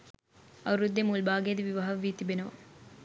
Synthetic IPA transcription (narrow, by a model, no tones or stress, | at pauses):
ɐɾud̪ːjɐmuːlbaːɡejɐd̪ɐʋiʋɐɦɐʋiːt̪ibenɐʋɐ